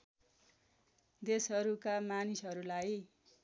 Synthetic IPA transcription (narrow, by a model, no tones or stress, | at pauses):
d̪esɦʌɾukamanisɦʌɾulaj